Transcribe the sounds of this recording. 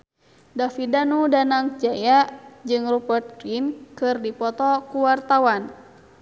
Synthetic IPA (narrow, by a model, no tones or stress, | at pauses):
dafidanudanaŋd͡ʒajaʔd͡ʒɨŋrubɛrt̪̚kɾinkɨrdipɔt̪ɔkuwart̪awan